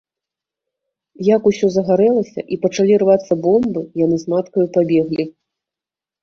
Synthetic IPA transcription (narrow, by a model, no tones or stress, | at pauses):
jakusʲɔzɐɣaɾɛlˠɐsʲɐ̰ʔipɐt͡ʂalʲirvat̪sːɐbɔmbɨjanɨzmat̪kɐjupabʲɛɣlʲi